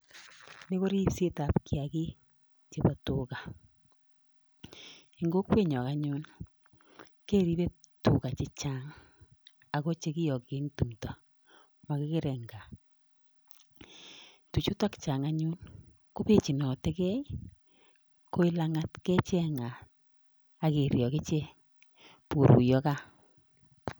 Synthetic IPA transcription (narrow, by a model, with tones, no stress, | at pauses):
nɪ˦ko˦ɾi˦se˦ta˨pkia˨kɪ˦ | t͡ʃe˦pa˨tʊ˨ɣa˨ | i˨ŋɡo˦kwe˦˨ɲɔ˨ka˨ɲu˦n | keː˦ɾi˦βe˦tʊ˨ka˨t͡ʃɪ˦t͡ʃa˦ŋ | a˨ɣo˦t͡ʃe˦kɪ˦jɔ˨ke˦ŋtu˨mta˨ | ma˨kɪ˦kɪ˦ɾɛ˨ŋɡa˨ | tu˨t͡ʃu˦ta˦kt͡ʃa˨ŋa˦ɲu˦n | ko˦pe˦t͡ʃi˨nɔ˨tɛ˦kɛ˦ | ko˦i˦la˦ŋa˦tkɛ˦t͡ʃɛ˦ŋa˨ | a˨ke˨ɾjɔ˨ke˦t͡ʃe˦ | po˨ɾṵ˨jɔ˦ka˦